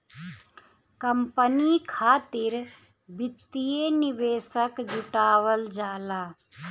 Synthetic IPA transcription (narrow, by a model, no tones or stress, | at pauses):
kəmpənikʰaːt̪iɾ | bit̪ːijeniʋeːsəkd͡ʒuʈaːʋəld͡ʒaːlaː